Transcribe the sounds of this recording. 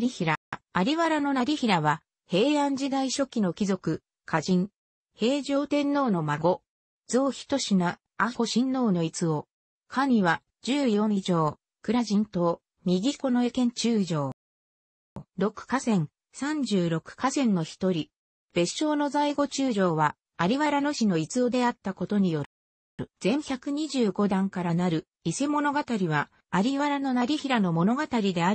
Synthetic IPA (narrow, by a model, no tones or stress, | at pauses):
ɾʲiçiɾaaɾʲiβaɾano̞naɾʲiçiɾaβa | he̞ːãɲ̟d͡ʑid̪aiɕo̞kʲino̞kʲizo̞kɯ̟ | kʰaʑĩŋ | he̞ːʑo̞ːt̪ẽ̞nːo̞ːno̞maɡo̞ | d͡zo̞ːçi̥t̪o̞ɕina | ako̞ɕĩnːo̞ːno̞it͡sɨo | kʰaɲʲiβa | d͡ʑɨːjo̞ɲid͡ʑo̞ː | kɯ̟ɾaʑĩnt̪o | mʲiɡʲiko̞no̞e̞kẽ̞ɲ̟t͡ɕɨːʑo̞ː | ɾo̞kɯ̟̥kasẽ̞ŋ | sãɲ̟d͡ʑɨːɾo̞kɯ̟̥kasẽ̞nːo̞çi̥t̪o̞ɾʲi | b̥e̞ɕo̞ːno̞zaiɡo̞t͡ɕɨːʑo̞ːβa | aɾʲiβaɾano̞ɕino̞it͡sɨo̞d̪e̞at̪ːako̞t̪o̞ɲ̟ijo̞ɾ | ɯ̟z̥ẽ̞ɰ̃çakɯ̟ɲ̟iʑɨːɡo̞d̪ãŋkaɾanaɾɯ̟ | ise̞mo̞no̞ɡat̪aɾʲiβa | aɾʲiβaɾano̞naɾʲiçiɾano̞mo̞no̞ɡat̪aɾʲid̪e̞a